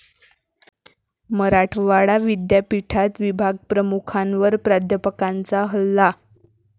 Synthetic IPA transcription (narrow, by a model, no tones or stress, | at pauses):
məɾaʈʰʋaɽaʋid̪japiʈʰat̪ʋibʱaɡ̚pɾəmukʰanʋəɾpɾad̪ʱjəpəkant͡saɦəlːa